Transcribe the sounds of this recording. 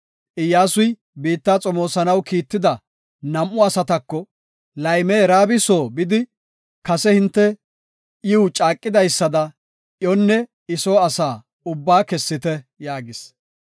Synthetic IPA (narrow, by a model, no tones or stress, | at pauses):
ʔɪjːaːsʊj | biːt̪ːaːt͡sʼɔmo̞ːsɐnɐwkiːt̪ːɪd̪ɐ | nɐmʔʊɐsɐt̪ɐkːɔ | lɐjmeːɾaːbɪsoːbɪd̪ɪ | kɐsɛhɪnt̪ːɛ | ʔɪwt͡ʃʼaːkʼːɪd̪ɐjsːɐd̪ɐ | ʔjonːɛ | ɪsoːɐsaː | ʊbːaːkɛsːɪt̪ɛjaːɡɪs